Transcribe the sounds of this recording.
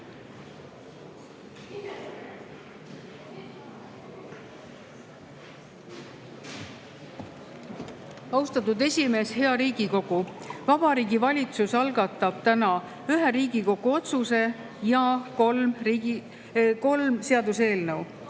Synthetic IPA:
ɑwst̪ɑt̪ːˑud̪e̞sʲime̞ːshe̞ɑɾiːɡ̥iko̞ɡ̥uvɑb̥ɑɾiːɡivɑlʲit̪susɑlɡɑt̪ːˑɑb̥t̪ænɑ | yɦeɾiːɡiko̞ɡ̥uo̞t̪suse̞ | jɑkolri | ko̞lmse̞ɑd̪use̞ːlnɤw

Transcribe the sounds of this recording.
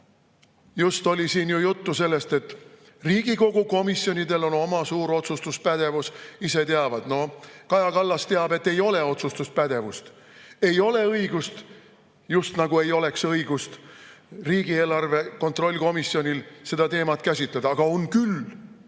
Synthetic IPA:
just̪o̞lʲisiːnjujut̪ːuse̞lːest̪e̞t̪ː | riːɡ̥iko̞ɡ̥uko̞misjo̞nʲid̪e̞lo̞no̞mɑsuːɾo̞t̪sust̪uspæd̪̥e̞vusise̞t̪eɑvɑd̪̥no̞kɑjɑkɑlːɑst̪eɑb̥e̞t̪ːe̞jo̞le̞o̞t̪sust̪us̚pæd̪̥e̞vust̪ | e̞jo̞le̞ɤiɡ̥ust̪ | just̪nɑɡ̥ue̞jo̞le̞ksɤiɡ̥ust̪riːɡ̥ie̞ːlɑrve̞ko̞nt̪ro̞lʲːko̞misjio̞nʲilse̞d̪̥ɑt̪e̞ːmɑt̪kæsʲit̪led̪̥ɑɑɡ̥ɑo̞nkyl

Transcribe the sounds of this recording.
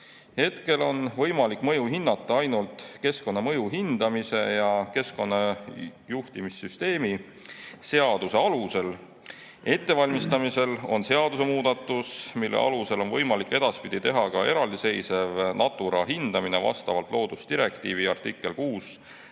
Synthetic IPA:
he̞t̪ke̞lo̞nvɤ̞jmɑlikːˑmɤ̞juɦinːɑt̪ːˑɑɑjnult̪ˑke̞sko̞nːɑmɤjuɦind̪̥ɑmise̞jɑke̞sko̞nːɑjuht̪imisːyst̪e̞ːmi | se̞ɑd̪̥use̞ɑluse̞l | e̞t̪ˑːe̞vɑlʲmist̪ɑmise̞lo̞̰nse̞ɑd̪use̞muːd̪̥ɑt̪ˑːusmilːʔḛʔɑ̰luse̞lo̞nvɤjmɑlikːˑe̞d̪̥ɑspid̪it̪e̞ɦɑkɑe̞ɾɑld̪ise̞jse̞vnɑt̪ːˑuɾɑɦind̪̥ɑmine̞vɑ̰st̪ɑvɑlt̪ˑlo̞ːd̪̥ust̪iɾe̞kt̪iːviɑrt̪ikːˑe̞lkuːs

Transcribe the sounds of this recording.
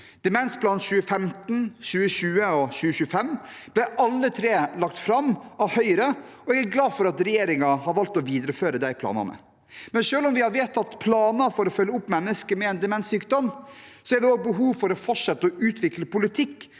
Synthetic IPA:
d̪̥ɛmɛnsblɑnt̪ɕʉːəfɛmt̪n̩ɕʉːəɕʉːəɔɕʉːəɕʉːəfɛmː | b̥lɛʔɑlːət̪ʰɾeːlɑkt̪fɾɑmɑʋhœʏɾə | ɔɛɡæɡlɑːfɔɾɑt̪ɾɛjeːɾɪŋɑhɑɾʋɑlt̪ɔʋiːd̪əɾəføːɾəd̪æɪpʰlɑ̰ːnɑ̰nmə̰ | mɛnʂøːlɔmʋɪhɑɾʋeːt̪ɑt̪pʰlɑːnɑfɔɾɔfœlːəʊpːmɛnːəskəmɛɛnd̪ɛmɛnsyːkd̪ɔmsɔæɾʋɪoːɡ̚bəɦuːʋfɔɾɔfɔʈʂɛt̪ːəɔʉːt̪ʰʋɪkləpʊlɪt̪ʰɪkː

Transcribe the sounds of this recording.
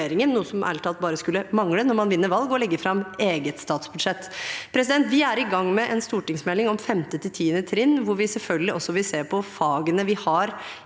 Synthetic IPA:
eːɾɪŋənːuːəsɔmʔæ̰lt̪ʰɑlt̪̚bɑːɾəskʉlːəmɑŋlənɔɾmɑnʋɪnːəʋɑlɡɔlɛɡːəfɾɑmeːɡət̪st̪ɑːt̪sbʉd̪ʂɛt̪ːpʰɾɛs̬ɪd̪ɛnt̪ʋɪæɾɪɡɑŋːmɛʔɛnst̪uːʈɪŋsmɛlːɪŋɔmfɛmt̪ət̪ʰɪlt̪ʰiːənət̪ʰɾɪnːʋʊɾʋɪsɛlfœlɡəlɪʔɔsːɔʋɪlseːɾpʰɔfɑːɡənəʋɪhɑɾ

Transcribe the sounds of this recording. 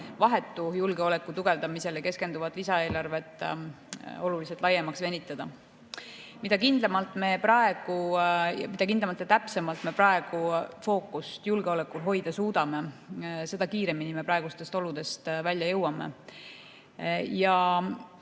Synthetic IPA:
vɑɦe̞t̪ːujulɡeo̞le̞kːˑut̪uɡ̥e̞vd̪̥ɑmise̞lke̞ske̞nd̪uvɑd̪̥lisɑe̞ːlɑrve̞t̪ːˑ | o̞lulis̬et̪ːˑlɑjːemɑksve̞nʲit̪ːˑɑd̪̥ɑ | mid̪̥ɑkind̪̥lemɑlt̪ːˑme̞prɑe̞ɡ̥ujɑ̰mid̪̥ɑkind̪lemɑlt̪ːˑet̪æpse̞mɑlt̪me̞prɑe̞ɡ̥ufo̞ːkːˑust̪julɡ̥e̞o̞le̞kːulɦo̞jd̪̥ɑsuːd̪̥ɑme̞se̞d̪ɑkiːɾe̞minime̞pɾɑe̞ɡ̥ust̪e̞st̪o̞lud̪̥e̞st̪vælʲjɑjɤwɑmḛ | jɑ

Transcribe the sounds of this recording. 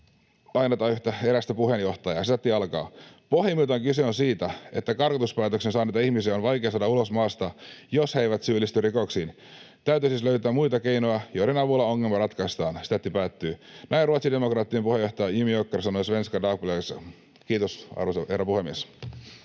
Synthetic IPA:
ɑjnet̪ɑyht̪æeɾæst̪æpuhe̞njo̞ht̪ɑjɑsit̪æt̪ːiɑlkɑ̰ːpo̞himit̪ɑŋkyseonsiːt̪æe̞t̪ːækɑrkɑt̪uspæːt̪øksensɑːnet̪ːɑihmisiɑonʋɑjk̟eɑsɑːdɑulo̞smɑːst̪ɑjoshejʋæt̪syːlːist̪yrikoksiːn | t̪æyt̪yisisløyt̪æːmujt̪ɑke̞inojɑjojɾenɑʋulːɑoŋːelmɑrɑt̪kɑist̪ɑːnsi̥t̪æt̪ːipæːt̪ːyːnʔæinruot̪side̞mo̞krɑːt̪ːiempuhe̞jo̞ht̪ɑjɑimiokːersɑnojsʋe̞nskɑdɑːk̚pulesɑ | kiːt̪osɑ̰ruseherːæpuhemːies

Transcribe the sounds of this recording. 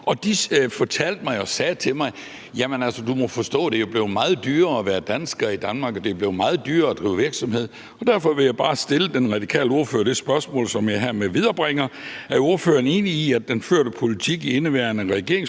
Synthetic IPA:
ɒ̽d̥ifɒ̽t͡sʰæl̰d̥̚mɑ̈ɪɒ̽sɛːt͡sʰe̝lmɑ̈ɪ | jæmənælsəd̥umɒ̽fɒ̽sd̥ɔ̰̽ːd̥e̝job̥le̝ʊmɑ̈ːð̞̩ˠd̥yːɐɒʋæːɐd̥ænsɡ̥ɐid̥ænmɑ̈ːɡ̥ɒ̽d̥e̝b̥le̝ʊmɑ̈ːð̩ˠd̥yːɐɒd̥ʁiːʊʋiɐɡ̥sɒ̽mhe̝ð̰ˠ | ɒd̥æɐfɒ̽ʋe̝jɑ̈ɪb̥ɑ̈ːsd̥e̝ləd̥enʁɑ̈d̥ikʰɛ̰ːləo̝ɐfø̰ːɐd̥e̝sb̥ɶɐsmɔ̰ːlsɒ̽mjɑ̈ɪɦæɐ̰meʋiðˠɐb̥ʁɛŋɐæɐo̝ɐføːɐne̝ːniːædd̥enføɐ̰ɾ̥əpʰo̝lit͡sʰiɡ̥ie̝nəʋæɐnəʁɛɡ̥e̝ɐeŋs

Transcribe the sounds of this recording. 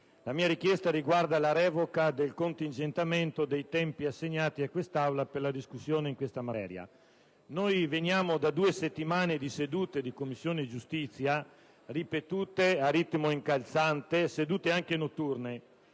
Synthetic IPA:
lamiːaɾik̟jɛst̪aɾiɡward̪alaɾɛːvokad̪elkont̪ind͡ʒent̪ament̪od̪ejt̪ɛmpiasːeɲːaːt̪iakːwest̪awlaperlad̪iskusːjoːneiŋkwest̪amat̪ɛ̰ːɾja̰ | nojvenjaːmod̪ad̪uːeset̪ːimaːned̪ised̪uːt̪ed̪ikomːisːjoːned͡ʒust̪it̪sːja | ripet̪uːt̪eaɾit̪moiŋkalt̪sant̪esed̪uːt̪eaŋkenot̪ːurne

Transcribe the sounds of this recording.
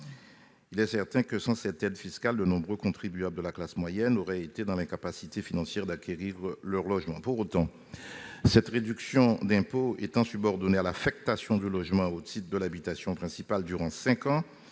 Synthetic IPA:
ilɛsɛʁt̪ɛ̃kəsɑ̃sɛt̪ɛd̪fiskald̪ənɔ̃bʁøkɔ̃t̪χibyabld̪əlaklasmwajɛnoʁɛet̪ed̪ɑ̃lɛ̃kapasit̪efinɑ̃sjɛʁd̪akʰʲeʁiʁlœʁlɔʒmɑ̃puʁot̪ɑ̃ | sɛt̪ʁed̪yksjɔ̃d̪ɛ̃poet̪ɑ̃sybɔʁd̪ɔnealafɛk̚t̪asjɔ̃d̪ylɔʒmɑ̃ot̪ʰit̪χd̪əlabit̪asjɔ̃pχɛ̃sipald̪yʁɑ̃sɛ̃kɑ̃

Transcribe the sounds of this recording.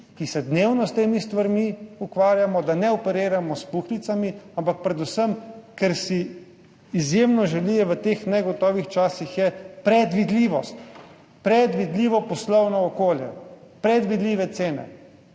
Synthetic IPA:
kisɛd̪neːwnɔst̪eːmist̪ʋaɾmiukʋaːɾjamɔd̪anɛɔpɛɾeːɾamɔspuxlit̪samiampak̚pɾɛd̪usəmkɛɾsiː | zjemnɔʒɛlijɛʋət̪eːxnɛɡɔt̪ɔːʋixt͡ʃaːsixjɛpɾɛd̪ʋid̪liʋɔst̪ | pɾɛd̪ʋid̪liːʋɔpɔslɔwnɔːkoːljɛ̰pɾɛd̪ʋid̪liːʋɛt̪seːnɛ̰

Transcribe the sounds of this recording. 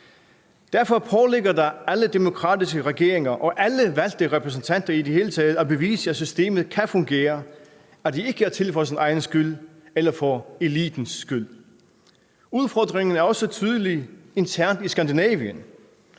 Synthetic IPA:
d̥æɐfɒ̽pʰɒleɡ̥ɐdɑ̈æləd̥e̝mo̝kʰʁɑ̰̈ːd̥isɡ̥əʁɛɡ̥e̝̰ɐ̰e̝ŋɐʔɒ̽ʔæləʋæl̰d̥əʁɛpʰʁɛs̬n̩t͡sʰæn̰d̥ɐid̥ehe̝ːlət͡sʰɛːð̞̩ˠɒbe̝ʋḭːsəæsysd̥e̝̰ːmð̩ˠkʰæfɔ̽ŋɡ̥e̝̰ːɐ | æd̥ie̝ɡ̥əæɐt͡sʰe̝lfɒɪs̬inɑ̈ɪnəsɡ̥yl̰ | elɐfɒe̝lḭːd̥n̩sɡ̥yl̰ | uð̞ˠfɒ̰ːd̥ʁeŋn̩æɐɒ̽sət͡sʰyːð̞ˠəlie̝nt͡sʰæɐ̰nd̥isɡ̥ænd̥inɛ̰ːʋiən

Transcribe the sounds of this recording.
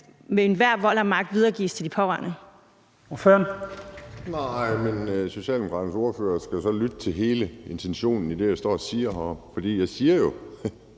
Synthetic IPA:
meenʋæɐ̰ʋɒ̽l̰æmɑ̈ɡ̥̚d̥ʋiðˠɐːɡ̥ḭːst͡sʰe̝ld̥ipʰɒ̽ʁaɐ̰nə | ɒføɐn | nɑɪ̰menso̝ɕɛ̰ːld̥emokʰɑ̰̈d̥n̩so̝ːɐføːɐsɡ̥æjo̝sɒ̽lyd̥ət͡sʰe̝lɦe̝ːləe̝nt͡sʰenɕo̝̰ːnn̩id̥e̝jaɪsd̥ɒ̰ːɒsiːɐɦɑfɒ̽d̥ḭːjɑ̈ɪsiːɐjo̝

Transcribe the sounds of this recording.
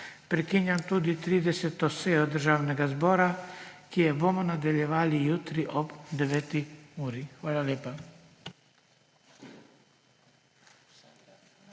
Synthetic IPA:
pɾɛkinjant̪ud̪it̪ɾiːd̪ɛsɛt̪ɔseːjɔd̪əɾʒaːwnɛɡazbɔːɾakijɛbomɔnad̪aljɛʋaːlijuːt̪ɾiʔɔbd̪ɛʋɛːt̪iuːɾixʋaːlaljeːpa

